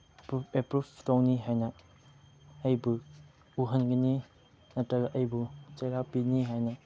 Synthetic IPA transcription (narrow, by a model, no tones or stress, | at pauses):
epɾubtɔŋniɦajnɐ | jbu | uɦɐnɡɐni | nɐtɐɡʔɐjbut͡ʃejɾapiniɦajnɐ